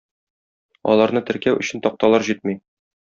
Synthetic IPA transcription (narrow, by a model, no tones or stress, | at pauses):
ɒ̰lˠɑɾnɤt̪ɘ̆ɾkæwʔɵ̆ɕɘ̆nt̪ɒq̚t̪ɑlˠɑɾʑit̪̚mij